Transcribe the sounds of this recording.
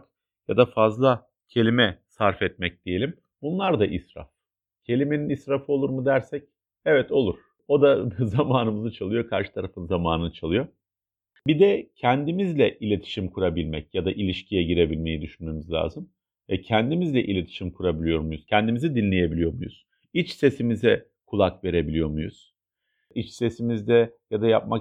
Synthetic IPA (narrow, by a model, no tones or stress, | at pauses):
k | jad̪afazlˠa | cʰe̞lʲimɛsaɾfɛt̪̚mɛc̚d̪̥ije̞lʲim | bunlˠaɾd̪aʔisɾa̰f | cʰe̞lʲime̞ninisɾafɯo̞lˠuɾmud̪æɾsɛc̚ | ɛvɛt̪o̞lˠuɾ̥ | o̞d̪azamaːnɯmɯzɯt͡ʃʰalˠɯjo̞kʰaɾʃɯ̥t̪ʰaɾafɯnzamaːnɯnɯt͡ʃʰalˠɯjo̞ | bid̪ɛcʰænd̪imizlʲɛʔilʲe̞t̪ʰi̥ʃimkʰuɾabilʲmɛcjad̪aʔilʲiʃcʰijɛɟiɾe̞bilʲme̞jid̪yʃynme̞mizlʲa̰ːzɯm | vɛcʰænd̪imizlʲɛʔilʲe̞t̪ʰi̥ʃimkʰuɾabilʲijo̞ɾmujuz̥cʰɛnd̪imizid̪inlʲe̞je̞bilʲijo̞mṵjṵz̥ | it͡ʃse̞simizɛ | kʰulˠakve̞ɾe̞bilʲijo̞mujṵz̥ | it͡ʃse̞simizd̪ɛjad̪ajap̚mak